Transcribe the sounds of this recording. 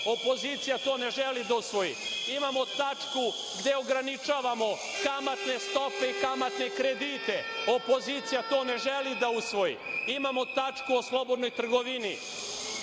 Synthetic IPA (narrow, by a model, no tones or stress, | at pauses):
o̞po̞ziːt̪sijat̪o̞ːne̞ʒelid̪ausʋo̞jḭimamo̞t̪at͡ʂku | ɡd̪e̞oɡɾanit͡ʃaːʋamo̞ | kamat̪ne̞st̪o̞pe̞ikamat̪ne̞kɾe̞d̪iːt̪e̞o̞po̞ziːt̪sijat̪o̞ːne̞ʒelid̪ausʋo̞jḭimamo̞t̪at͡ʂkuo̞slˠo̞bo̞d̪no̞jt̪r̩ɡoʋini